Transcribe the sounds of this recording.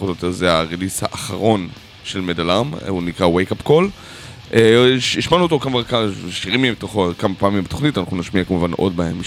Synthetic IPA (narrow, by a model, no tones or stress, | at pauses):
otot̪ezeaʁelisha̰ʔːχa̰ʁo̞n | ʃelmedalamunikʁawejkapkol | eiʃmanuot̪okamaʁakaʃiʁimiembet̪oχkamapaːmimbet̪o̞χnitanaχnunaʃmiakamuvanʔo̞̰d̚baḛm